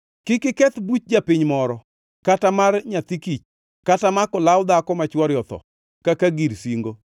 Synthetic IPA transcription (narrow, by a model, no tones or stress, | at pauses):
kɪkɪkɛt̪but̚d͡ʒapɪɲmɔɾɔ | katamarɲat̪ikit͡ʃ | katamakɔlawd̪akɔmat͡ʃwɔɾjɔt̪ɔ̰ | kakaɡiɾsiŋɡo